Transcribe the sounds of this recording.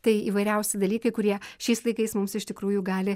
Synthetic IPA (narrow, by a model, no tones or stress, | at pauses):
t̪ɐɪḭːʋɐɪɾʲɛʊsʲɪd̪ɐlʲiːkɐɪkʊɾʲiɛʃʲɛɪslˠɐɪkɐɪsmʊmsɪʃt̪ʲɪkɾuːjʊɡɑːlʲɪ